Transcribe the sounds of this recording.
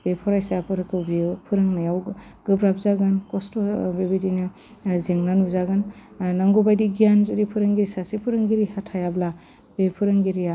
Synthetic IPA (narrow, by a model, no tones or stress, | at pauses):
b̥epʰɔɾajsapʰɯɾɯkʰɯbipʰɯɾɯŋnajaw | ɡɯbɾabzaɡɯnkɔstɔbebedina | zeŋnanuzaɡɯnnaŋɡubajdiɡijanzudipʰɯɾɯŋɡiɾisasepʰɯɾɯŋɡiɾihatʰajabla | bepʰɯɾɯŋɡiɾija